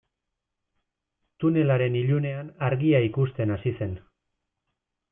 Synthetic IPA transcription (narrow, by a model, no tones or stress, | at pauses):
t̪une̞laɾe̞niʎune̞anaɾɣiaikust̪e̞nasise̞n